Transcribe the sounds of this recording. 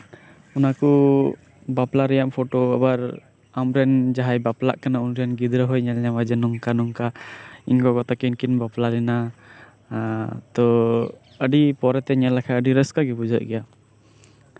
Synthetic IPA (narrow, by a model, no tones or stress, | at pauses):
unaku | baplaɾɛjampʰoʈoabaɾ | amɾɛnd͡ʒaɦajbapla̰ʔkanaunɾɛnɡid̪ɾəɦɔjɲɛlɲamad͡ʒɛnɔŋkanɔŋkainkɔɡɔt̪akɛnkinbaplalɛna | t̪ɔ | əɖipɔɾɛt̪ɛɲɛlakʰaəɖiɾəskaɡɛbud͡ʒɔʔ̚ɡɛja